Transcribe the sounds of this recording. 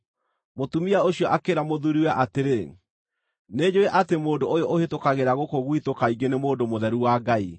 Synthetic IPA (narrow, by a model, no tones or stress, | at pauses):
motumiaoɕiɔʔakeɾamoðuɾiwɛʔateɾe | ned͡ʑoeʔatemoːdoojɔʔohetokaɣeɾaɣokoɣwitokaiɡenemoːdomoðɛɾuwaɡai